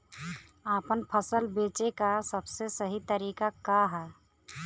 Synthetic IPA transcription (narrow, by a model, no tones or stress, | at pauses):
aːpənpʰəsəlbeːt͡ʃekasəbsesəɦit̪əɾiːkakaɦɛ